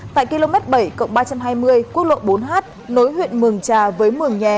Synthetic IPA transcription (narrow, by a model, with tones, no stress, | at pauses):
t̪a̰ː˧˨jki˧lo˧mɛ˦˥t̚ɓə˧˩jkə̰˧˨wŋ͡mɓaː˧t͡ɕa˧mɦaː˧jmɨ˧əjkwət̚lo̰˧˨jɓo˨˦nɦaː˦˥t̚no˨˦jhwḭ˧˨ənmɨ˨˩əŋt͡ɕaː˨˩vəː˨˦jmɨ˨˩əŋɲɛ˨˩